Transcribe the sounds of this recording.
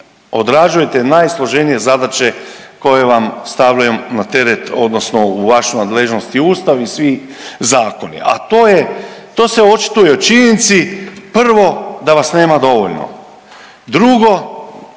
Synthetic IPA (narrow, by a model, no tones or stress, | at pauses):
o̞d̪ɾad͡ʒujet̪e̞najslˠo̞ʒe̞nije̞zad̪at͡ʃe̞ko̞je̞ʋamst̪aʋʎujumnat̪e̞ɾet̪o̞d̪no̞sno̞uʋaʃunad̪le̞ʒno̞st̪iuːst̪aʋisʋi | zaːko̞nḭʔa̰t̪oːjet̪o̞ːse̞o̞t͡ʃi̥t̪ujeot͡ʃiɲenit̪sipr̩ʋo̞d̪aʋasne̞ːmad̪o̞ʋoʎno̰ | d̪ɾuɡo̞